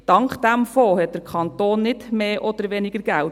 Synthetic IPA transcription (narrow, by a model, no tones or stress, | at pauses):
d̥ɑŋkd̥ɛmfoːhɛt̚d̥əɾkʰɑntoːnːɪdmeːʔɔd̥əɾʋenɪɡəɾɡ̥æl